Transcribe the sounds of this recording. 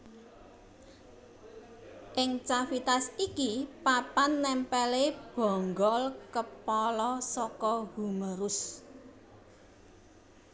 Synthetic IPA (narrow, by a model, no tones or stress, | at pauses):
ʔɪŋt͡ʃafit̪asikipapanːɛmpɛleb̥ɔ̤ŋɡɔlkəpɔlɔsɔkɔɡuməɾʊs